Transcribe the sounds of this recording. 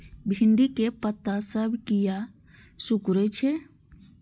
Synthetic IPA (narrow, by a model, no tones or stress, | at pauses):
bʱɪɳɖikepət̪ːasəbʱkija | sʊkɾet͡ʃʰe